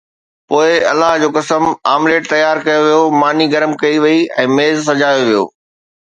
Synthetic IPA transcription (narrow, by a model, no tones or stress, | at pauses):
poːɪɐlaɦd͡ʑoːkɐsəmaːmleːʈ̚t̪ɐjaːɾkɐjoʋijomaːniɡɐɾəmkɐiʋɐiɛ̰̃ːmeːzsɐd͡ʑaːjoʋijo̰ː